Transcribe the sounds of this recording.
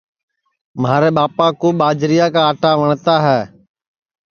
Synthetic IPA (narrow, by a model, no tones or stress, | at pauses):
maːɾeːɓaːpaːkoːɓaːd͡ʒɾijaːkãːʈaːʋəɳt̪aːɦɛː